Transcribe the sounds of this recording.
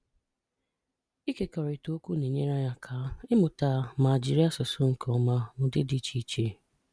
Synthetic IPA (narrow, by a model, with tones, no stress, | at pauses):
i˦ke˨kɔ˨ɾɪ˨to˦kʷu˦ne˨ɲe˦ɾa˦ɲa˦kʰa˨˦ɪ˦mʊ˨taː˦˨ma˨d͡ʒi˦ɾi˦a˦sʊ˨so˦ŋ̩˨kɔ˦ma˦mʊ˨dɪ˦di˦t͡ʃi˨t͡ʃe˨